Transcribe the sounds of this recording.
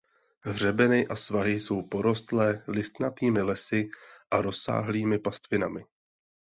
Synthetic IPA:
ɦr̝ɛbɛnɪʔasvaɦɪso̞wpo̞ɾo̞st̪lɛːlɪst̪nat̪iːmɪlɛsɪʔaɾo̞sːa̰ːɦliːmɪpast̪vɪnamɪ

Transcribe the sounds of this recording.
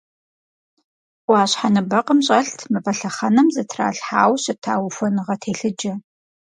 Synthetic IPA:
ʔʷɑːɕħanɨbɐqəmɕʼɐɬtʰmɨfɐɬɐχɐnɐmzɐtʰra̰ːɬħa̰ːwɕɪtʰaːwfʷɔnɨʁɐtʰeːɬɨd͡ʒɐ

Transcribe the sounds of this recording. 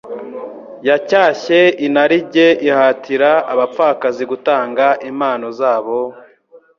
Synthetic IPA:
jacaːçe̞inaɾiɟe̞ʔihaːtʰiɾaaβap͡faːkaziɡutaːŋɡaʔimaːno̞zaːβo

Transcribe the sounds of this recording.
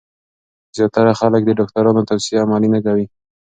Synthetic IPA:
zjɑt̪aɽaxalək̚d̪əɖɑk̚t̪aɾɑnot̪awsiamɑlinakawi

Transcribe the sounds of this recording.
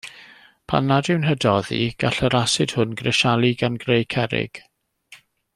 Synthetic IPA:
pʰa̰nːadɪwnɦədɔðḭɡ̥aɬəɾasɪd̥hʊnɡrɛʃalˠiɡanɡrejkʰɛɾɪ̰ɡ̥

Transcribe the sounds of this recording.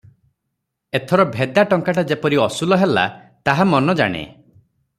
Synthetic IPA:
et̪ʰɔɾɔbʱed̪aʈɔŋkaʈad͡ʒepɔɾiɔsulɔɦela̰t̪aɦamɔnɔd͡ʒa̰ɽ̃ḛ

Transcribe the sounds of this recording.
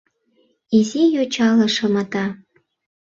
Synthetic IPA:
izʲejot͡ɕɑlɤ̆ʃɤ̆mɑt̪ɑ

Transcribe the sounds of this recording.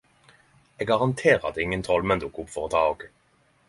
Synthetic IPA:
eɡɡɑʁɑnt̪ʰeːʁɑ̰d̪ɪŋənt̪ʰɔlmɛnd̪ʊkʊpfɔʁt̪ʰɑːoɡ

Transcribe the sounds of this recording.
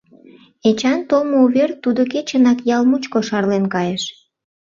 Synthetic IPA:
et͡ɕɑnt̪olmouβert̪ːud̪ok̬et͡ɕənɑkjɑlmut͡ɕkoʃɑrlenkɑjeʃ

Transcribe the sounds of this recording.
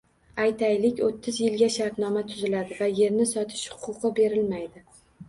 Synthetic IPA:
ajt̪ʰajlɪkʲot̪ʰːɪzjɪlɡʲaʃaɾt̪nɒmat̪ʰʊzɪlad̪ɪvaje̞ɾnɪsɒt̪ʰɪ̥ʃhʊ̥qʰʊqʰɨbe̞ɾɪlmajd̪ɪ

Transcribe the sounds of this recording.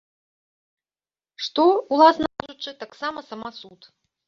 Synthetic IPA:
ʂt̪ɔulˠasnɐaʐut͡ʂːɨt̪aksamɐsɐmasut̪

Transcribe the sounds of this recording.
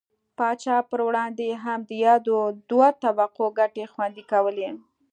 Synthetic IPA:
pɑt͡ʃɑpəɾwɽɑnd̪eɦamd̪əjɑd̪od̪wat̪awaqoɡaʈexwand̪ikawəle

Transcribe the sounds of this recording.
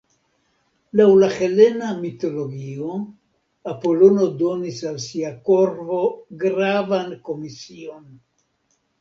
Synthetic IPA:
lawlahe̞le̞namito̞lo̞ɡio̞ | apo̞lo̞no̞do̞nisalsiako̞ɾvo̞ɡɾavanko̞misio̞n

